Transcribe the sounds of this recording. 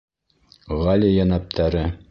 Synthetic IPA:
ʁɑlʲijænæp̚t̪ʰæɾɘ

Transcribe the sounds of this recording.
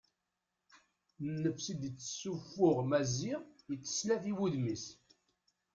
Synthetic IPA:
nːəfsid̪ət͡sːə̥sːufːʊʁmæziʁjət͡sːə̥slæθiwuðmis

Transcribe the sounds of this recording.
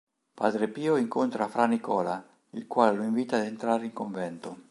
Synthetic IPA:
pa̰ːd̪ɾepiːoiŋkont̪ɾafɾanikɔːla | ilkwaːleloiɱviːt̪aːd̪ent̪ɾaːɾeiŋkoɱvɛnt̪o

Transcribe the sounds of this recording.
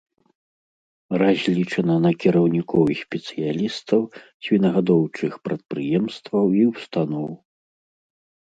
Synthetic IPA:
razʲlʲit͡ʂɐnɐnɐkʲiɾɐwnʲikɔwixsʲpʲɛt̪sɨjalʲist̪ɐwsʲvʲinɐɣad̪ɔwt͡ʂɨxpɾɐt̪̚pɾɨjɛmst̪vɐwiwst̪anɔw

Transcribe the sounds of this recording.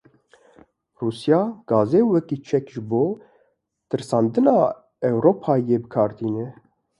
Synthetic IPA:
ruːsjɑːɡ̥ɑːzeːwɛkiːt͡ʃʰɛkʒɨboː | t̪ɨɾsɑːnd̪ɨnɑː | ɛwɾoːpʰɑːjeːbɨkʰɑːɾt̪ʰiːnɛ

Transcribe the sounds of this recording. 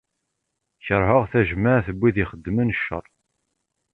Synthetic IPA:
çəɾˤɦəʁθæʒmaʕθəbʷːiðiχəd̪ːmənəʃːə̰ɾˤ

